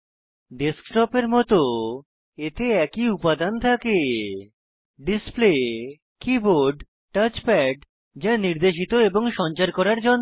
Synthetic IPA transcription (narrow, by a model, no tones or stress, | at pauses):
ɖeskʈɔpeɾmɔt̪o | et̪eɛkiupad̪ant̪ʰake | ɖisple | kiboɾɖ | ʈat͡ɕpɛɖ | d͡ʑaniɾd̪eʃ̬it̪oeboŋʃɔnt͡ɕaɾkɔɾaɾd͡ʑonː